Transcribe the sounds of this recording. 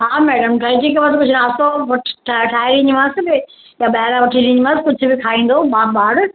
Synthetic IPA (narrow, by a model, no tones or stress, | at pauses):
ɦaːmɛːɖəmʈʰad͡ʑikeʋɐt̪kʊd͡ʑʱʊnaːst̪oʋɐʈʰʈʰaʈʰaːɪɾĩɲd͡ʑmãːsɪbɪ | jãɓɐɾãʋɐʈʰĩɾĩːɲd͡ʑimãːsɪkʊd͡ʑʱʊ̆bɪkʰaːĩːn̆d̪oːmãːbaːɽ